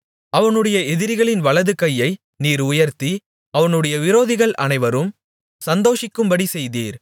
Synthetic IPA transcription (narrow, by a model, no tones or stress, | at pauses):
ɐʋɐnɯɽɐjɐɛðɪɾɪɣɐɭɪnʋɐɭɐðɯkɐjːɐɪ | niːɾʊjɐɾt̪i | ɐʋɐnɯɽɐjɐʋɪɾoːðɪɣɐɭʔɐ̰nɐɪʋɐɾɯm | sɐnd̪oːʂɪkːɯmbɐɽisɛjðiːɾ